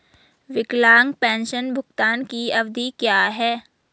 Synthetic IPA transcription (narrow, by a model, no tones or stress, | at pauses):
ʋɪklaːŋɡ̚pɛ̃ːnʃənbʱʊkt̪aːnkiɐʋd̪ʱikjaːɦɛː